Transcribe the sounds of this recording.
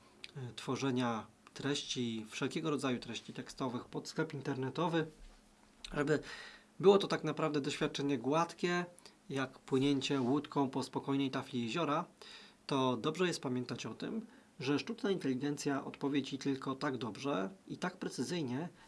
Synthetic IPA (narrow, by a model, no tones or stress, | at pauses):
t̪fɔʐɛɲat̪ɾɛɕt͡ɕifʂɛlkʲɛɡɔɾɔd̪zajut̪ɾɛɕt͡ɕit̪ɛkst̪ɔvɘxpɔt̪sklɛpint̪ɛɾnɛt̪ɔvɘ | ʐɛbɘ | bɘwɔt̪ɔt̪aknapɾavd̪ɛd̪ɔɕfʲat̪̚t͡ʂɛɲɛɡwat̪kʲɛ | jakpwɘɲɛɲt͡ɕɛwut̪kʰɔ̃w̃pɔspɔkɔjnɛjt̪aflʲijɛʑɔɾat̪ɔd̪ɔbʐɛjɛst̪̚pamʲjɛnt̪at͡ɕɔt̪ɘ̰m | ʐɛʂtut͡ʂnaint̪ɛlʲiɡɛnt̪sʲjaʔɔ̰t̪pɔvʲjed͡ʑit̪ɘlkɔt̪aɡd̪ɔbʐɛit̪akpɾɛt̪sɘzɘjɲɛ